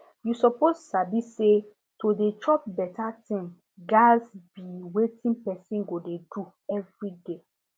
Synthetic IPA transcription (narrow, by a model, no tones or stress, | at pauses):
jusɔpossabisse | tʰodet͡ʃɔp̚bɛtʰatĩm | ɡasbiwetʰĩnpɛsĩnɡodedu | ɛvɹide